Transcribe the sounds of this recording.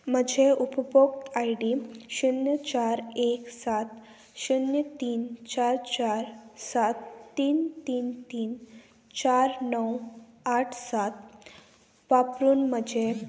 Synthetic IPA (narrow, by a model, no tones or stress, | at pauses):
məd͡ʑʱeʔupbokt̪ajɽiɕunjət͡ɕaɾeksat̪ | ɕunjət̪iːnt͡ɕaɾt͡ɕaɾsat̪ːiːnt̪iːnt̪iːn | t͡ɕaɾnəw | aʈʰsat̪̚ | ʋapɾuːnməd͡ʑʱe